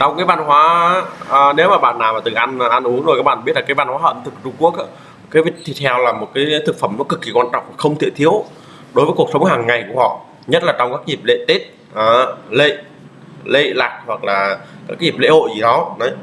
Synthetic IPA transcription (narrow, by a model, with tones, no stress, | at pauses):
t͡ɕɔ˧wŋ͡mkaː˨˦jvaː˧nhwaː˨˦˨ | ne˨˦wmaː˨˩ɓa̰ː˧˨nːaː˨˩maː˨˩t̪ɨ˨˩ŋʔa˧nː˨˩ʔa˧nʔu˨˦əŋzo˨˩ka˦˥ɓa̰ː˧˨ɓi˦˥ət̚laː˨˩kːjvaː˧nhwaː˨˦ə̰˧˨nt̪ʰɨ˨˩k̚t͡ɕʊ˧ŋ͡mku˦˥ək̚aː˨˦˩ | kaː˨˦vi˧˥t̪ʰi˨˩t̪ʰɛ˧wlaː˨˩mo˨˩t̚kaː˨˦jt̪ʰɨ˨˩k̚fə˧˩mnɔ˨˦kɨ˨˩kːi˨˩kwaː˧nt͡ɕɔ̰˧˨wŋ͡mma˨˩xə˧wŋ͡mt̪ʰḭ˧˨t̪ʰi˨˦əw | ɗo˨˦jvəː˨˦jku˨˩ək̚sə˨˦ŋ͡mhaː˨˩ŋːa˨˩jku˧˩əhɔ̰˧˨ | ɲə˦˥t̚laː˨˩t͡ɕɔ˧wŋ͡mkaː˦˥kzi˨˩p̚lḛ˧˨t̪e˦˥t̚ | ʔəː˨˩lḛ˧˨ | lḛ˧˨laː˨˩k̚hwa˨˩k̚laː˨˩kaː˨˦˥ka˨˦zi˨˩p̚lḛ˧˨ho̰˧˨jzi˨˩ɗɔ˨˦nə˨˦j